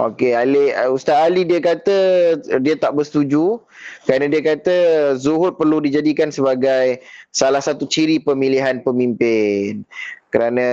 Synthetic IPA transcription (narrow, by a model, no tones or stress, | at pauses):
ʔo̰kealeust̪aalidiəkat̪ədiət̪aʔbərst̪ud͡ʒu | kəɾanə̃diəkat̪əzuɦʊt̪̚pərludid͡ʒadikansəbaɡajsalahsat̪ut͡ʃiɾipəmiliɦanpəmimpɪnkəɾanə̃